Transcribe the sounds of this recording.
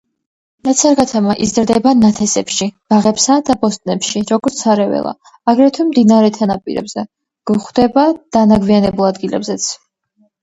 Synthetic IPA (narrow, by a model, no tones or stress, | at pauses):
nat̪sʰaɾɡat̪ʰamaʔizɾd̪ɛbanat̪ʰɛsɛpʃib̥aʁɛpsad̪abɔst̪ʼnɛpʃiɾɔɡɔɾt̪sʰaɾɛvɛ̰lˠa̰ː | ɡɾɛt̪ʰwimd̪inaɾɛt̪ʰanapʼḭɾɛ̰bzɛ | ɡ̥uχd̪ɛbad̪̥anaɡvianɛbulˠad̪ɡilɛ̰bzɛt̪sʰ